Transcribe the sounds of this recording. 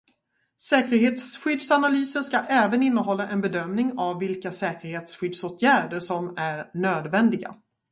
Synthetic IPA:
sɛːkəɾɦeːt̪sɧʏd̪sanalyːsənskaʔɛːvənɪnːəɦɔlːaʔɛnbɛd̪œmnɪŋavːɪlkasɛːkəɾheːt̪sɧʏd̪soːt̪ʰjæːɖəʂɔmæɾɳøːd̪vɛnd̪ɪɡa̰

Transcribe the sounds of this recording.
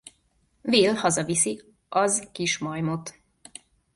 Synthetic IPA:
veːlhɒzɒvisi | ɒzkiʃmɒjmot̪

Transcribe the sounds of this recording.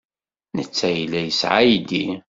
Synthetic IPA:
nət͡sːæjilːæjəsʕajid̪i

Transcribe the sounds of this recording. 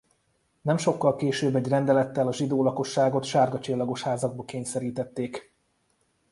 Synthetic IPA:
nɛmʃo̞kːɒlkeːʃøːbːɛɟrɛnd̪ɛlɛt̪ːɛlɒʒid̪oːlɒko̞ʃːaːɡo̞t̪ʃaːrɡɒt͡ʃilːɒɡo̞ʃhaːzɒɡ̚bɒkeːɲsɛɾiːt̪ɛt̪ːeːk

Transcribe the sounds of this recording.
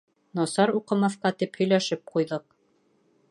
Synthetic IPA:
nɒsɑɾuqɤ̆mɑθqɑt̪iphɵ̆jlæʃɘp̚qujðɤq̚

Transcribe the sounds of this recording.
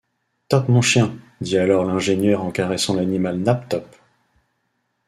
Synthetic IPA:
t̪ɔpmɔ̃ʃjɛ̃ | d̪ialɔʁlɛ̃ʒenjœʁɑ̃kaʁɛsɑ̃lanimalnap̚t̪ɔp

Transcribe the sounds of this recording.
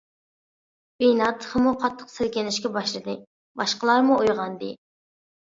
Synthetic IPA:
bejnɑt̪ʰːχəmuqʰɑt̪ʰːə̥qsɪɾkʲɪnɪʃkʲɛbɑʃlˠɨd̪ɨ | bɑʃqəlˠɑɾmuojʁɑnd̪ɨ

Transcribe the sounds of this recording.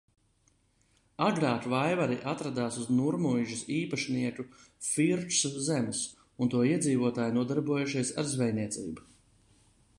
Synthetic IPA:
aɡɾaːt̪vajvaɾiʔat̪ɾad̪aːsuznuɾmujʒusiːpaʃniɛkufiɾtsuzemus | unt̪uɔiɛd̪ziːvuɔt̪aːjnuɔd̪aɾbuɔjuʃiɛsaɾzvɛjniɛt̪sḭːbu

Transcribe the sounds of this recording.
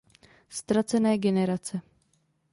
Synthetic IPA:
st̪ɾat͡sɛnɛːɡɛnɛɾat͡sɛ

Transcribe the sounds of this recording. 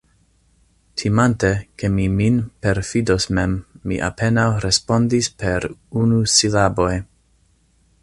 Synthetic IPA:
tʰimanteke̞miminpe̞ɾfidosmemːḭʔa̰pʰe̞nawɾespo̞ndispʰe̞ɾunusilabo̞j

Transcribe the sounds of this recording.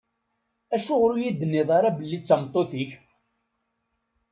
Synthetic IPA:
æʃʊʁɾujid̪ːənːɪðˤɑɾˤɑbəlːit͡sːɑmt̪ˤːoθiç

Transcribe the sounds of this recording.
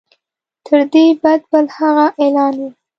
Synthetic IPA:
t̪ʰəɾd̪ebad̪̚bəlhaɣaʔelɑnwi

